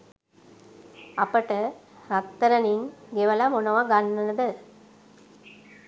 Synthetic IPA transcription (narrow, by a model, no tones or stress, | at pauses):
ɐpɐʈɐ | ɾɐk̚t̪ːɐɾɐniŋɡeʋɐlamonɐʋɐɡɐnːɐnɐd̪ɨ